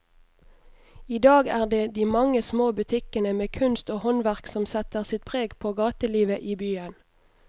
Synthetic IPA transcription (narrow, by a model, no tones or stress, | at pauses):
iːd̪ɑːɡæːʁd̪eːd̪iːmɑŋəsmoːbʉt̪ʰɪkənəmeːkʰʉnst̪oːhɔnʋæʁksɔmsɛt̪əʁsɪt̪̚pʰʁeːɡpʰoːɡɑːt̪əliːʋəʔiːbyːən